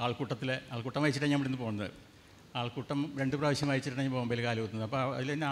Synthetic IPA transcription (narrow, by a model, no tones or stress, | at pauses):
aːɭkuːʈːɐt̪ːilea̰ːɭkuːʈːɐmʋɐjit͡ɕːiʈːɐɲːɐmːɐɽenːɨpo̞ːɣnːɐðɨ̰ | aːɭkuːʈːɐmɾe̞ɳɖɨpraːʋɐɕjɐmʋɐjit͡ɕːiʈːɐɳeɲːpoːɐmbelkaːlɐut̪ːunɐðɐpːoɐ̰ðileinː